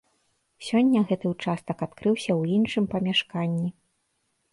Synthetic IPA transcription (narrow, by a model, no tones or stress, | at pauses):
sʲɔnʲːɐɣɛt̪ɨwt͡ʂast̪ɐkat̪kɾɨwsʲɐwinʂɨmpɐmʲaʂkanʲːi